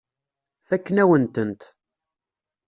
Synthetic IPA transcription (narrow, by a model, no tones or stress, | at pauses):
θækːnæwənt̪ənt̪